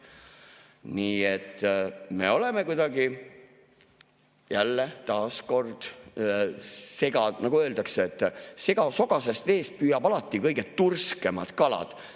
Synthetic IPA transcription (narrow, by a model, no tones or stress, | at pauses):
niːet̪ːme̞̰o̞le̞me̞kujd̪̥ɑɡi | jælːet̪ɑːsko̞rd̪̥ | se̞ɡ̥ɑnɑɡ̥uø̞ːld̪̥ɑkseet̪ːˑse̞ɡ̥ɑso̞ɡɑse̞st̪eːst̪̚pyːjɑb̥ɑlɑt̪ːˑikɤjɡet̪ːurske̞mɑ̰d̪̥kɑlɑ̰d̪̥